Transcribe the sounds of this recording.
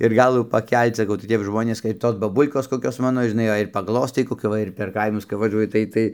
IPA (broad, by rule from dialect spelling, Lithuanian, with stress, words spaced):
ɪr ˈɡɐlˠʋuː pɐˈkʲɛlʲt͡s sɐˈkɐʊ tɐɪ ˈtʲɛp ˈʒmoːnʲeːs kɐɪp ˈtoːs bɐˈbuːlˠkoːs koːˈkʲoːs ˈmɑːnoː ʒʲɪˈnɐɪ jɛɪ ɪr pɐˈɡlˠoːstɐɪ koːˈkʲʊ ˈʋɐ ɪr pʲɛr ˈkɐɪmʊs kɐp ʋɐˈʒuɔjɪ ˈtɐɪ ˈtɐɪ